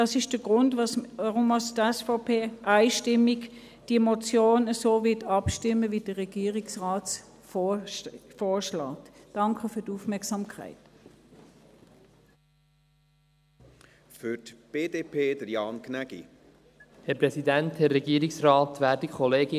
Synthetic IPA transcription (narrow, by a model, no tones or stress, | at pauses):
dɑːsɪʃd̥əɡ̥ʁʊndvɑsəʁʊmɑstɛsfɔpʰeːʔaɪʃtɪmiɡ | d̥imɔt͡sjoːnəsoːvɪɐtɑpʃtɪməvid̥əʁɛɡ̥iːʁiksʁaːt | f | foːʃlɑːtd̥ɑŋkʰəfyːɐdufmɛɐksɑmkʰa̰ɪt | fyɾtb̥eːdeːpʰeːdəɾjɑːnkʰnæɡḭ | hɛɾpɾɛsidænthɛɾːɛɡiːəɾiksʁɑːtʋæːɾdikʰɔleːɡɪ